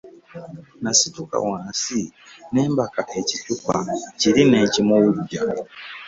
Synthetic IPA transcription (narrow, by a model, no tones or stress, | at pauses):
nasituka̰wãːnsine̞ːmbakaʔe̞citupaciɾine̞ːcimowuluɟa